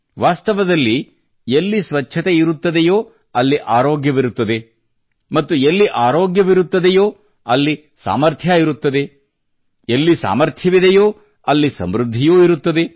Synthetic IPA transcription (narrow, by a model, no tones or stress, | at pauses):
ʋaːst̪ɐʋɐd̪ɐlːi | elːisʋɐt͡ʃːʃʰɐt̪eiɾut̪ːɐd̪ejoː | ɐlːiʔaːɾoːɡjɐʋiɾut̪ːɐd̪e̞ | mɐt̪ːuelːiʔaːɾoːɡjɐʋiɾut̪ːɐd̪ejoː | ɐlːi | sa̰ːmɐɾt̪ʰjaiɾut̪ːɐd̪e̞ | elːisa̰ːmɐɾt̪ʰjɐʋid̪ɛjoː | ɐlːisɐ̰mɾud̪ʱːijoːiɾut̪ːɐd̪e